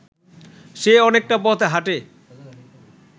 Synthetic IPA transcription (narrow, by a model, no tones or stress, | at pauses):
ʃeɔnek̚ʈapɔt̪ʰɦaʈe